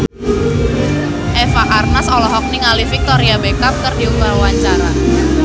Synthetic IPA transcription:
ʔɛfaʔarnasɔlɔɦɔk̚niŋalifik̚t̪ɔɾiabekap̚kərdiuŋɡarwaɲt͡ʃaɾa

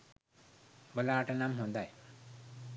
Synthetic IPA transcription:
bəlaːʈanamɦũnd̪aj

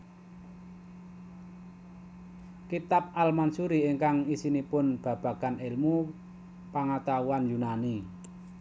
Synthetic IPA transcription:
kit̪ap̚almansuɾieŋkaŋisinipʊnb̥ä̤b̥ä̤kanɪlmu | paŋat̪auanjunani

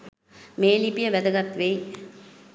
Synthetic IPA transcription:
meːlipijəʋæd̪əɡat̪ːʋej

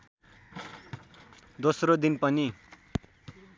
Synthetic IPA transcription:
d̪osrod̪inpʌni

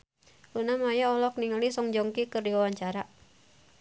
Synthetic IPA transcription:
unamajaɔlɔk̚niŋəlisɔŋd͡ʒɔŋkikɨrdiwawaɲt͡ʃaɾa

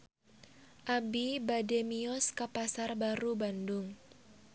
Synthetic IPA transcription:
ʔabibademiɔskapasarbaɾubandʊŋ

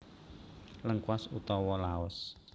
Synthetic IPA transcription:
ləŋkwasut̪ɔwɔlaɔs

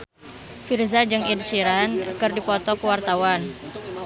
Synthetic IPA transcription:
firzad͡ʒɨŋidsiɾankɨrdipɔt̪ɔkəwart̪awan

